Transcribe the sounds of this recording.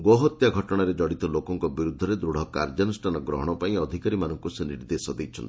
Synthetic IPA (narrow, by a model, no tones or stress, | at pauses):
ɡoɦɔt̪jaɡʱɔʈɔɽ̃aɾed͡ʒɔɽit̪ɔlokɔŋkɔbiɾud̪ʱːɔɾed̪ɾuɽ̤ɔka̰ɾd͡ʒɔnusʈʰanɔɡɾɔ̰ɦɔɽ̃ɔpaĩɔd̪ʱikaɾimanɔŋkuseniɾd̪esɔd̪ejt͡ʃʰɔnt̪i̥